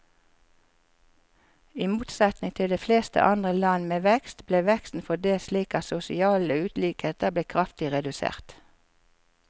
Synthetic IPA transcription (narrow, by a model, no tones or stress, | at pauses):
iːmuːt̪sɛt̪nɪŋt̪ʰɪld̪eːfleːst̪ə̰ʔɑnd̪ʁəlɑnmeːʋɛkst̪bleːʋɛkst̪n̩fɔd̪eːsliːkɑsʊsɪɑːləʉːt̪liːkheːt̪əbleːkʰʁɑft̪ɪʁɛd̪ʉsḛːʁt̪